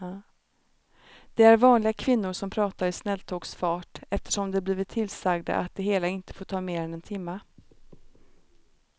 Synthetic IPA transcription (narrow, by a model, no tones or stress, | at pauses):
d̪̥ɛæɾvɑːnlɪɡakʰvɪnːʊɾʂɔmpʰɾɑːt̪aɾɪsnɛlt̪ʰoːɡsfɑːʈɛft̪ə̥ʂɔmd̪ɛbliːvɪt̪ʰːɪlsaɡd̪a̰ʔa̰t̪̚d̪ɛɦeːlaɪnt̪ə̥foːʈʰɑːmeːɾɛnɛnt̪ʰɪmːa